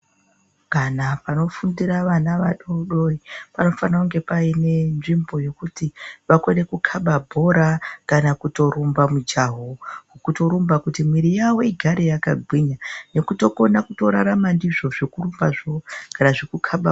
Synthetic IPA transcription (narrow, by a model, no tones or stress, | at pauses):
kanapano̞fundiɾaʋanaʋaɗoɗoipano̞fanakuŋɡe̞paine̞nʐimbo̞jo̞kutiʋakone̞kukʰaɓabʱo̞ɾakanakuto̞ɾumbamud͡ʒaɦokukuto̞ɾumbakutimwiɾijawoiɡʱaɾejakaɡʱwiɲane̞kuto̞ko̞nakuto̞ɾaɾamandiʐo̞ʐikurumbaʐokanaʐikukʰaɓa